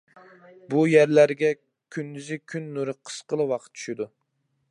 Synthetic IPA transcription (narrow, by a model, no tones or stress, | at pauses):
bujæɾlæɾɡʲɛ | kʲʰynd̪yzɪkʲʰynːuɾɨqʰə̥sqəlˠɨwɑqʰət̪̚t͡ʃʰy̥ʃid̪u